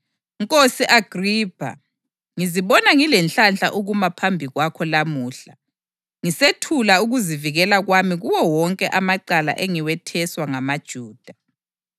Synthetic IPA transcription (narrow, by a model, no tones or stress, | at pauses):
ŋkʼosiʔaɡ̥ʱriːpʰa̰ | ŋiziβɔnaŋilɛnɬanɬaʔuɣumapʰambʱiɣwakʰɔlamuːɬa | ŋisetʰulauɣuziviɣɛlaɣwamiɣuwɔwɔŋkʼɛʔamaǀala̰ʔeŋiwɛtʰɛswaŋamad̥ʒ̥ʱuːd̥ʱa